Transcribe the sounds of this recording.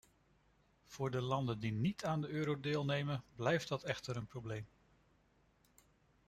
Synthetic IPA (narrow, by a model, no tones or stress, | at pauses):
v̥ʊːɹdəlɑndəndinitʰaːndəøːɾowdɪːlˠnejmənblɛjfd̚dɑtɛχtəɾənprowblejm